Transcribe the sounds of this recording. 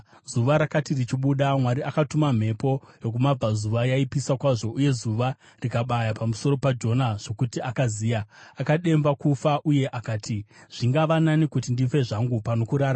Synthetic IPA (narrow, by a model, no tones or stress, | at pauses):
zuʋaɾakatirit͡ʃiɓuɗamwaɾiʔakatumam̤e̞po̞jo̞k̬umab͡vazuʋajaipisakwaʐo̞ʔuje̞zuʋa | rikaɓajapamuso̞ɾo̞pad͡ʒo̞naʐ̥o̞kutiakaziːjaakaɗe̞mbakufaʔuje̞ʔakaːtʰiʐ̥iŋɡaʋananikutindife̞ʐaŋɡupano̞kuɾaːɾa